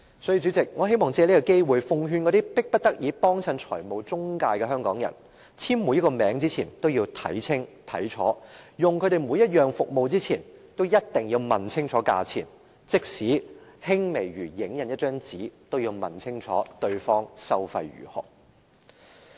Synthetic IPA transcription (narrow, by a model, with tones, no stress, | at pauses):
sɔː˨˥jiː˨˧t͡ʃy˨˥t͡sɪ˨k̚ŋɔː˨˧ɦe˥jmɔː˨ŋt͡sɛː˧˥li˥kːɐ˧ke˥jwuː˨jfʊ˧ŋɦyː˧nkɔ˨˧t̪iː˥pɪ˥k̚pɐ˥t̚t̪ɐ˥k̚jiː˨˧pɔː˥ŋsɐ˧nt͡ʃʰɔ̰ː˨˩jmo˨wt͡sʊ˥ŋkaː˧jkɛː˧ɦœː˥ŋkɔ̰ː˨˥ŋjɐ̰˨˩n | t͡sʰiː˥mmːuː˨˧jɐ˥tkɔ˧mɛː˨˧˥ŋt͡siː˥t͡sʰiː˨˩nt̪o˥wjiː˧wt̪ʰɐ̰˨˥jt͡sʰɪ˥ŋt̪ʰɐ̰˨˥jt͡ʃʰɔ̰ː˨˥jʊ˨ŋkʰɵ˨˧ɾe˨jmuː˨˧jɐ˥t̚jœː˨ŋfʊ˨k̚mo˨wt͡siː˥t͡sʰiː˨˩nt̪wjɐ˥t̚t̪ɪ˨˩ŋjiː˧wmɐ˨˩nt͡sʰɪ˥ŋt͡ʃʰɔː˨˥ka̰ː˧t͡sʰḭː˨˩n | t͡sɪ˥k̚siː˨˥hɪ˥ŋme˨˩jɥyː˨˩jɪ˨˥ŋjɐ˨njɐ˥t̚t͡ʃœː˥ŋt͡siː˨˥t̪o˥wjiː˧wmɐ˨˩nt͡sʰɪ˥ŋt͡ʃʰɔ̰ː˨˥t̪ɵ˧ɥfɔː˥ŋsɐ˥wfɐ˧jɥy̰ː˨˩hʊ̰˨˩k̚